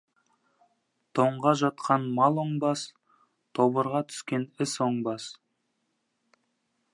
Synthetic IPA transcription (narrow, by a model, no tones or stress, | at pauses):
t̪ʰo̞ɴʁɑʒɑt̪̚qɑnmɑlˠoɴbɑs | t̪ʰo̞bəɾʁɑt̪ʰʏ̥skʲe̞nɪsoɴbɑs